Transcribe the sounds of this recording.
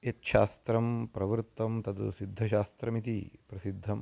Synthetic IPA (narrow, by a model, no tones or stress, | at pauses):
et̪ʃaːst̪ɾɐmpɾɐʋɾt̪ːɐmt̪ɐd̪ṵsid̪ʱːɐʃaːst̪ɾɐmit̪ipɾɐsid̪ʱːɐm